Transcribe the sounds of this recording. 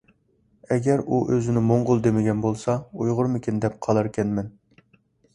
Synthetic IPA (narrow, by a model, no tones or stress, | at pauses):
ɛɡʲɛɾuʔøzɪnɪmoɴʁʊlˠd̪emɪɡʲɛnbolˠsɑujʁʊɾmɪkʲind̪ɛp̚qʰɑlˠɑɾkʲʰɛnmɛn